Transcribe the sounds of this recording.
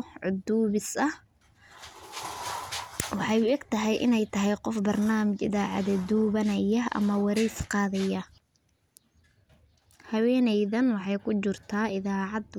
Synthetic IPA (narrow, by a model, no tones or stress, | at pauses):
ʕʊd̪uːβɪsɐh | wɑħɑjʊɛɡt̪ʰɐɦɛjʔɪ̰nɛjt̪ʰɐɦɛjqɔfbɐrnaːmɪt͡ʃɪ̰ðaːʕɑ̰ðɛd̪uːβɐnɐjɐɐ̰mɐwɑɾɛsqɑːðɐjɐ | hɐwɛːnɛjðɐnwɑħɑjkʰʊt͡ʃɪrt̪ʰaːɪðaːʕɑd̪